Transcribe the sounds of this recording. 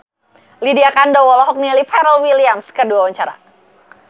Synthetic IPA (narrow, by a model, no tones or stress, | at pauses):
lidiakandɔwɔlɔɦɔk̚nilipaɾəlwiliamskəduawəɲt͡ʃaɾa̰